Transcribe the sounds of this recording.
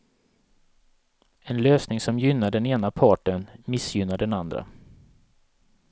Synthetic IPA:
ɛnløːsnɪŋsɔmjʏnːaɖɛneːnapʰɑːʈənmɪsjʏnːaɖɛnand̪ɾa̰

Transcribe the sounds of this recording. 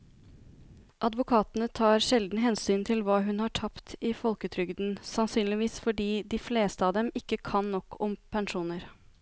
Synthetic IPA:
ʔɑd̪ʋʊkʰɑːt̪ənət̪ʰɑːɾʂɛld̪n̩ɦɛnsyːnt̪ʰɪlʋɑːɦʉnhɑʈʰɑpt̪ɪfɔlkət̪ʰɾʏɡd̪n̩sɑnsyːnlɪʋiːsfɔɖiːd̪ɪfleːst̪əɑːd̪ɛmɪkːəkʰɑnːɔkʰːɔmpʰɛnʂuːnəɾ

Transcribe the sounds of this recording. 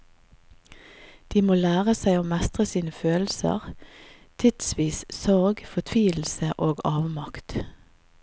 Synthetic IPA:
d̪̥iːmoːlæːʁəsæɪoːmɛst̪ʁəsiːnəføːlsə̰ʁ | t̪ʰɪd̪̥sʋiːssɔʁɡfɔt̪ʰʋiːl̩səʔoːɡɑːʋmɑkt̪

